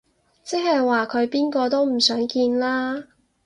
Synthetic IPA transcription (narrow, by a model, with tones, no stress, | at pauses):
t͡sɛ˥k̚ɦhɐ˨jwaː˨kʰɵ˨˧ɥpiː˥nkɔː˧t̪o˥wm̩˨˩sœː˨˥ŋkiː˧nlaː˥